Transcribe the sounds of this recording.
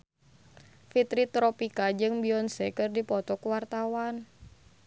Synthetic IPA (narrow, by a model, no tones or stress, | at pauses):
fit̪ɾit̪ɾɔpikad͡ʒɨŋbiɔnsɛkɨrdipɔt̪ɔkuwart̪awan